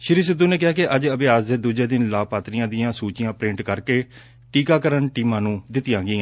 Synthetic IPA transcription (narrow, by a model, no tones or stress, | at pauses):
ʃɪɾiːs̬ɪd̪ːuːneːk̬ɪɦaːkɪʔəd͡ʒəbeːaːsd̪eːd̪uːd͡ʒeːd̪ɪnlaːpaːt̪ɾɪjãːd̪ɪjãːsuːt͡ʃɪjãːpɾɪ̃ɳʈkəɾkeː | ʈiːkaːkəɾənʈiːmãːnũːd̪ɪt̪ɪjãːɡiːãː